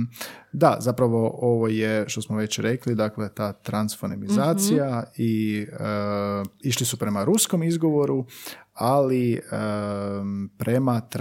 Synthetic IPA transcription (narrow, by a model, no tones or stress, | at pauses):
d̪azapɾaʋo̞ʔo̞ʋo̞jeʃt̪o̞smoʋe̞t͡ɕɾe̞klid̪akle̞t̪aːt̪ɾansfonemizaːt̪sijaiə | iʃlisupɾe̞maɾusko̞mizɡo̞ʋo̞ɾualiə | pɾʔe̞mat̪ɾ